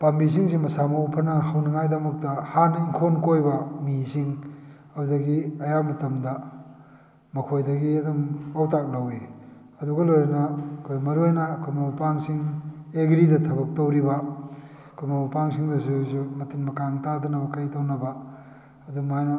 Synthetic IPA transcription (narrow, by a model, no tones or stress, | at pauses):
b̥ambis̬iŋs̬imɐsamɐupʰɐnɐhɐwnɐŋajdɐmɐk̚tɐhanɐiŋkʰonkojbɐmisʰiŋ | ɐɾudɐɡiɐjamɐtɐmdɐ | mɐkʰojdɐɡiɐdomawtak̚lɐwe | ɐduɡɐlojɾɐnɐkʰojmɐɾuajnɐkʰumaupaŋsiŋeɡɾidɐtʰɐbɐk̚towɾibɐ | kumaupaŋsiŋdɐsuzumɐtinmɐkaŋtadɐnɐbɐkajtɐwnɐbɐ | ɐdumajno